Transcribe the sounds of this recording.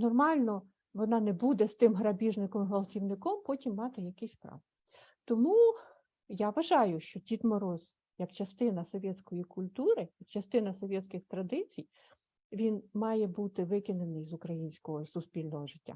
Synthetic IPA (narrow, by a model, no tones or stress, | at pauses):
nɔrmɑlʲnɔ | ʋɔnɑnɛbud̪ɛst̪ɪmɦɾɐbʲiʒnɪkɔmɦʋɐlˠtʲiwnɪkɔmpɔtʲimːɑt̪ɪjɐkɛsʲpɾɑ̰ʋ | t̪ɔmu | jɑʋɐʒɑjʊʃt͡ʃɔtʲit̪mɔɾɔz | jɐkt͡ʃɐst̪ɪnɐsɔʋʲɛt̪sʲkɔjikʊlʲt̪uɾɪjɐkt͡ʃɐst̪ɪnɐsɔʋʲɛt̪ʲsʲkɪxt̪ɾɐd̪ɪt͡sʲij | ʋʲinmɑjɛbut̪ɪʋɪkɪnenɪjzʊkɾɐjinʲsʲkɔɦɔsʊspʲilʲnɔɦɔʒɪtʲːa̰